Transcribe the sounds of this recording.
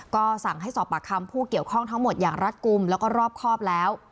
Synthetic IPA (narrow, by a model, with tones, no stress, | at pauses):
kɔː˥˩sa˨˩ŋɦa˥˩jsɔː˨˩pːa˨˩kʰa˧mpʰuː˥˩ki˨˩əwkʰɔ˥˩ŋt̪ʰa˦˥ŋmo˨˩t̪̚jaː˨˩ŋɾa˦˥t̪̚ku˧mlɛː˦˥wkɔː˥˩ɾɔː˥˩p̚kʰɔː˥˩p̚lɛː˦˥w